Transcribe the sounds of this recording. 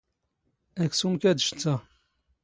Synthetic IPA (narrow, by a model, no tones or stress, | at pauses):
æksumkæd̪əʃt͡sːæ